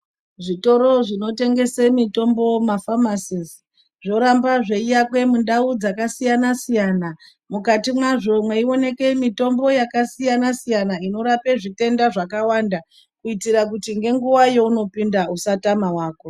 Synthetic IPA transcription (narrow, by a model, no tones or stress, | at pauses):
ʐito̞ɾo̞ʐino̞te̞ŋɡe̞semito̞mbo̞mafamasiz | ʐo̞ɾambaʐe̞ijakwe̞mundaud͡zakasijanasijana | mukatimwaʐo̞mwe̞io̞ne̞ke̞mito̞mbo̞jakasijanasijanaino̞ɾape̞ʐite̞ndaʐakawanda | kuitiɾak̬utiŋɡe̞ŋɡuwajo̞uno̞pindausatamawaːko̞